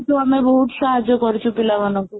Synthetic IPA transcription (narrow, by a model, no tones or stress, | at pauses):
t̪oamebɔɦut̪ʃaɦad͡ʒjokɔɾit͡ʃʰupilaʋanoku